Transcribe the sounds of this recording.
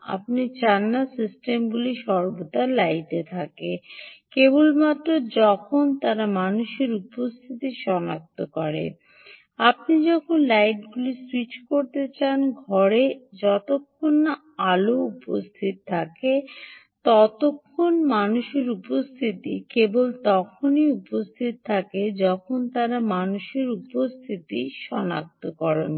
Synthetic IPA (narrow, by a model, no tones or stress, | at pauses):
a̰p̚nit͡ɕanːasisʈemɡuliʃɔɾbot̪alajʈet̪ʰakekebolmat̪ːɾod͡ʑɔkʰont̪aɾamanuʃeɾupost̪ʰit̪iʃɔnak̚t̪okɔɾḛ | ap̚nid͡ʑɔkʰonlajʈ̚ɡuliswit͡ɕkoɾt̪et͡ɕanɡʱɔɾed͡ʑɔt̪okʰːonːa | aloupo̰st̪ʰit̪t̪ʰake | t̪ɔt̪okʰːonmanuʃeɾupost̪ʰit̪ikebolt̪ɔkʰoniupost̪ʰit̪t̪ʰaked͡ʑɔkʰont̪aɾamanuʃeɾupost̪ʰit̪iʃɔna̰k̚t̪okɔɾḛn